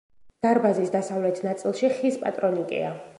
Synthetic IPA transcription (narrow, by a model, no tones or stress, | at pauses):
d̪̥aɾbazisd̪asavlɛt̪ʰnat̪sʼilˠʃiχispʼa̰t̪ʼɾɔnikʼḭa